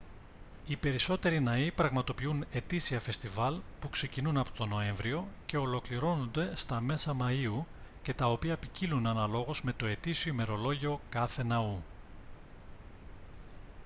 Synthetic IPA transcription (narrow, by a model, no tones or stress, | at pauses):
ipe̞ɾiso̞t̪e̞ɾinɐipɾɐɣmɐt̪o̞piune̞t̪isiɐfe̞st̪ivɐlpukse̞cinunɐpot̪o̞no̞e̞ɱvɾio̞ce̞o̞lo̞kliɾo̞no̞nd̪e̞st̪ɐme̞sɐmɐiu | ce̞t̪ɐo̞piɐpicilunɐnɐlo̞ɣozme̞t̪o̞e̞t̪isiome̞ɾo̞lo̞ʝio̞kɐθe̞nɐu